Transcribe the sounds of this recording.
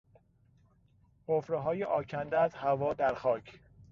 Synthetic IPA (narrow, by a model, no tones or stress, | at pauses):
hofɾeɦɒːjeʔɒːcʰænd̪æzhævɒːd̪æɾxɒːcʰ